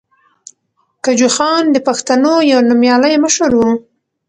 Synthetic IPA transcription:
kad͡ʒuxɑnd̪əpaxt̪anojawnumjɑləjməʃəɾwu

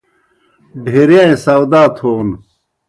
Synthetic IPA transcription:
ɖʱeɾjãẽsawd̪aːt̪ʰoːn

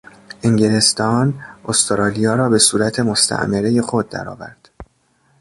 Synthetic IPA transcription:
ʔeŋɟele̞st̪ʰɒːnost̪ʰeɾɒːlijɒːɾɒːbe̞suːɾæt̪ʰe̞mo̞st̪ʰæ̰ʔmeɾeje̞xo̞d̪̚ːæ̰ɾɒ̰ːvæ̰ɾd̪̥

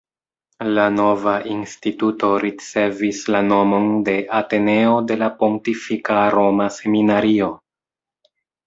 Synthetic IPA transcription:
lano̞vaʔinstituto̞ɾit͡se̞vislano̞mo̞nde̞ʔate̞ne̞ode̞lapo̞ŋk̚tifikaɾo̞mase̞minaɾio̞

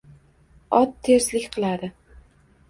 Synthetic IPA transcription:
ɒt̪ʰːe̞ɾslɪkʲqʰɨlˠad̪ɪ

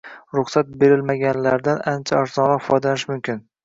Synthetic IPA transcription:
ɾʊχsat̪̚be̞ɾɪlmaɡʲanlaɾd̪anant͡ʃʰaːɾzɒnʁɒfɒjd̪alanɪʃmʊmkʲɪn

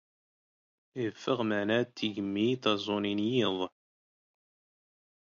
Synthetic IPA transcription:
ifːəʁməʕnæt̪ːiʝəmːit̪ɑzˤoninjiðˤ

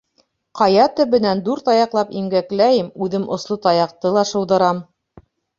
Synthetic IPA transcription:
qɑjɑt̪ɵ̆βɘ̆nænd̪uɾt̪ɑjɑqlˠɑpiŋɡæklæjɘmʉðɘmʔŏslˠot̪ɑjɑq̚t̪ɤlˠɑʃɤ̆wðɤ̆ɾɑm

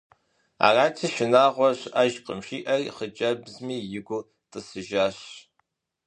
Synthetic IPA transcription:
a̰ːraːt͡ʃʰɐʃɪnaːʁʷɔɕʔɐʒqʼə̰mʃiːʔɐriχət͡ʃʼɐbzmiːjɪɡʷʊ | tʼɨsɨʒaːɕ

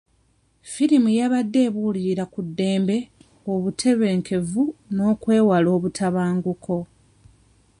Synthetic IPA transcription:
fiɾimujaβadːe̞ːβuliɾakudːe̞ːmbe̞ | oβutʰe̞βe̞ːŋkʰe̞vuno̞ːkwe̞ːwalo̞ːβutʰaβaːŋɡukʰo̞

